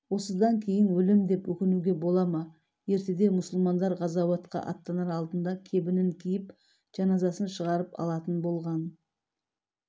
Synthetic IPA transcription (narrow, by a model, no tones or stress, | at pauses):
wo̞səd̪ɑŋkʲʰe̞jɪnwɵlɪmd̪e̞pwɵkʲɪnuɡʲe̞bo̞lˠɑmɑ | je̞ɾt̪e̞d̪e̞mʊsʊlˠmɑnd̪ɑɾʁɑzɑwɑt̪qɑ̰ʔɑ̰t̪ːɑnɑɾɑlˠd̪ənd̪ɑkʲʰe̞bɪnɪŋkʲʰijɪp̚ | ʒ̥ɑnɑzɑsənʃəʁɑɾəpɑ̰lˠɑt̪ənbo̞lˠʁɑn